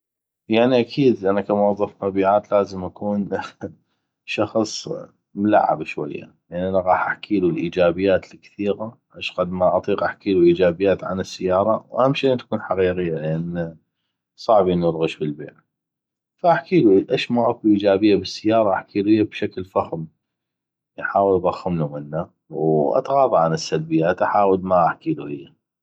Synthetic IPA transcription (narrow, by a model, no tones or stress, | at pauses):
jaʕniʔakʰiːd̪ʔanakamʊwɑðˤːɑfmabiːʕaːt̪laːzəmʔakuːn | ʃɑxsˤ | mʊla̰ʕːa̰bʃwa̰jːa̰jaʔaʕniʔanaɣɑːħʔaħkʰiːlulʔiːd͡ʒaːbɪjːaːt̪lkθiːɣaʔaʃɣad̪maʔɑt̪ˤiːqʔaħkiːluʔiːd͡ʒaːbɪjːaːt̪ʕa̰nɪsːajːɑːɾˤɑwhamʃit̪ḁkuːnħaqiːɣɪjːalɪʔanː | sˤɑʕbʔɪnːuɾɣɪʃbɪlbḛːʕ | faʔaħkiːluʔaʃmaʔakuʔiːd͡ʒaːbɪjːabɪsːajːɑːɾˤɑʔaħkiːluhɪjːabʃaklfaxm | ʔħaːwəlðˤɑxːɪmlumɪnːa | wʔɑ̰t̪ɣɑːðˤɑʕanɪsːalbɪjːaːt̪ʔaħaːwəlmaʔaħkiːluhɪjːa